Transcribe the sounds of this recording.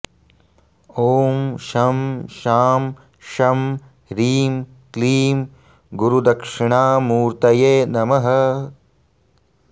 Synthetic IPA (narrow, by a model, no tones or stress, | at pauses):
oːmʃɐmʃaːm | ʃɐm | ɾiːm | kliːm | ɡuɾud̪ɐkʂiɳaːmuːɾt̪ɐjeːnɐmɐɦɐ